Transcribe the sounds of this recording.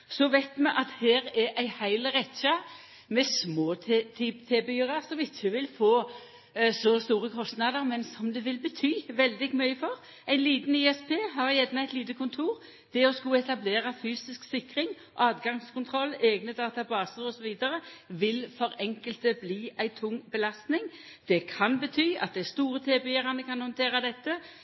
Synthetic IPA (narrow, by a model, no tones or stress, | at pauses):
sɔʋæɪt̪mɛʔɑt̪heːʁɛʔæɪhæɪləʁɛt̪ɕɑ | mɛsmoːt̪ʰit̪ʰeːbɛyːʁɑʁsɔmɪçəʋɪlfoː | sɔst̪uːʁəkʰɔst̪nɑd̪əʁmɛnsɔmd̪ɛʋɪlbət̪ʰyːʋɛld̪ɪɡmœʏəfɔʁ | æɪnliːt̪niːɛspʰeːɦɑʁjɛd̪næɪt̪liːt̪əkʰʊnt̪ʰuːʁ | d̪̥ɛɔskʊɛt̪ɑbleːʁɑfyːsɪsksɪkɾɪŋ | ʔɑːd̪ɡɑŋskʰʊnt̪ʰʁɔlːeːɡnəd̪ɑːt̪ɑbɑːsəʁɔsɔʋiːd̪əɾəʋɪlfɔɾɛŋkəlt̪əbliːʔæɪt̪ʰʊŋːbəlɑst̪nɪŋ | d̪̥ɛkʰɑnbət̪ʰyːɑ̰t̪̚d̪æst̪uːʁət̪ʰeːbɛjeːʁɑnəkʰɑnhɔnt̪ʰeːʁɑd̪ɛt̪ːə